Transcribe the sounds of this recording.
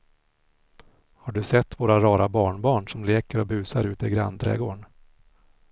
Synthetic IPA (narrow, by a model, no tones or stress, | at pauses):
haɖɵsɛt̪ːvoːɾaɾɑːɾabɑːɳbɑːɳʂɔmleːkəɾɔbʉ̟ːsaɾʉ̟ːt̪ɛɡɾa̰nd̪ɾɛ̰ːɡoːɳ